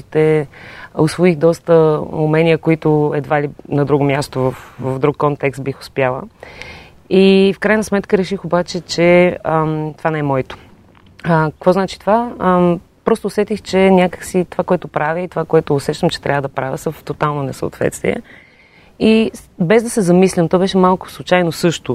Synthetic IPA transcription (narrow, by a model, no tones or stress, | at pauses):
it̪ɛ | osvoixd̪ɔst̪əṵmɛnʲiəkoit̪ʊɛd̪valinɐd̪ɾuɡʊmʲjast̪ovəfvəvd̪ɾukːɔnt̪ɛkst̪̚bixʊ̥spjalˠə̰ | ifkɾajnɐsmɛt̪kəɾɛʃixobat͡ʃɛt͡ʃɛət̪ovanɛɛmɔit̪o̥ | əkəkvɔznat͡ʃi̥t̪ova | pɾɔst̪oːsɛt̪ixt͡ʃɛnʲakə̥ksit̪ovakoɛt̪ʊpɾaviit̪ovakoɛt̪ʊːsɛt͡ʃt̪əmt͡ʃɛ̥t̪ɾʲʔavəd̪ɐpɾavʲəsɐft̪ot̪alˠnonɛsə̰o̰t̪vɛ̰t̪st̪vḭɛ̰ | ibɛzd̪ɐsɛzɐmislʲəmt̪ɔbɛʃɛmalˠkʊ̥slˠʊt͡ʃajnosɤʃt̪ʊ